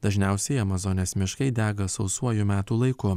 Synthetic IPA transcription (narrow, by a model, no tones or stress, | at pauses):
d̪̥ɐʒʲnʲɛˑʊsʲɛɪɐmɐzɔnʲɛsmʲɪʃkɐɪd̪ʲæːɡɐsɐʊsuɔjumʲæːt̪uːlˠɐɪkʊ